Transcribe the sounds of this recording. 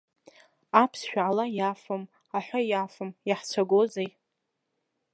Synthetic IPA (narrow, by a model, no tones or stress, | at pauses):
apʰsʃᶣaalajafam | aħʷᶣajafamjaħt͡sʷʰaɡʷozej